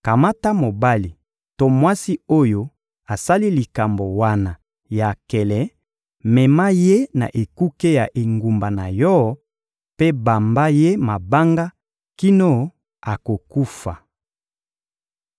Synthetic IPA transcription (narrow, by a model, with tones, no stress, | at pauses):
ka˨ma˦ta˦mo˨ba˦li˨ | to˦mwa˦si˦o˦jo˦ | a˨sa˦li˦li˨ka˨mbo˨wa˦na˨ | ja˨kɛ˨lɛ˨ | mɛ˨ma˦je˦na̰˨ʔe˨ku˦ke˦ja˨ʔe˨ŋɡu˨mba˨na˨jɔ˦ | pe˦ba˨mba˦je˦ma˨ba˦ŋɡa˦ | ki˦no˦ | a˨ko˨ku˦fa̰˨